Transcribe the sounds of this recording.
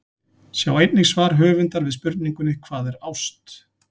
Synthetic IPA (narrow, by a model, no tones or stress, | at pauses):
sjawejt̪nɪsvaːɾ̥ɦœːvʏnt̪aɾvɪðspʏɾt̪niŋkʏnɪkʰv̥aːðɛɾawst̪